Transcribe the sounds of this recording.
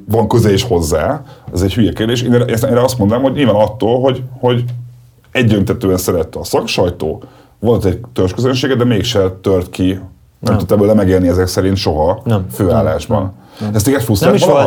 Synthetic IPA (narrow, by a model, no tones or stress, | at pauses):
vɒŋkø̞zɛleːʃho̞zːaːɛzɛchyjɛkeːrd̪eːʃeːnʔseːɾɛɒst̪mo̞nd̪onamhoɟɲilvaːnɒt̪ːoːlɦo̞ɟho̞ɟ | ɛɟd̪ønt̪ɛt̪øːɛnsɛɾɛt̪ːɛɒsɒkʃɒjt̪o̰ː | volt̪ɛct̪øt͡ʃkøzønʃeːɡɛd̪ɛmeːkʃɛt̪ørt̪kʰi | nɛmut̪ːɛbøːlɛmɛɡeːlniɛzɛksɛɾint̪ʃo̞ɦɒføːaːlːaːʒbɒ̰n | ɛst̪eiːɡɛfusaɒ